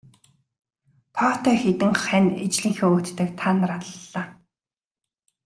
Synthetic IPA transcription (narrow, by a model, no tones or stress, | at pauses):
t̪ʰɔːt̪ʰɔjxet̪ɘ̆ŋχænet͡ɕɮiːŋxeːoːt̪ːɘ̆kt̪ʰanrat̪ːaː